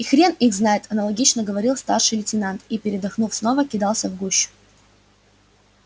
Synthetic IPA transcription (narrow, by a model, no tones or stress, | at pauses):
ɪxɾʲenixznajɪt̪ɐnəlˠɐɡʲit͡ɕnəɡəvɐɾʲilˠst̪arʂɨjlʲɪtʲɪnant̪ipʲɪɾʲɪd̪ɐxnufsno̞vəkʲɪd̪ɑlˠsʲəvɡuɕːʊ̥